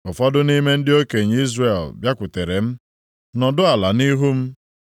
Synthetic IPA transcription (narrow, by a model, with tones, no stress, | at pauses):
ʊ˨fɔ˦dʊ˦ni˦me˦n̩˦dɪ˦o˦ke˨ɲ˨˦i˦zre˨lbja˦kʷʊ˨te˨ɾe˨m̩˦ | nɔ˨dʊ˦a˨la˨ni˦ɦu˦m̩˦